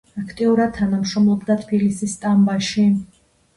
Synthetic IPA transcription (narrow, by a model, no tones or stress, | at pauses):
akʰt̪ʼiuɾad̪̚t̪ʰanamʃɾɔmlˠɔbd̪at̪ʰb̥ilisist̪ʼambaʃi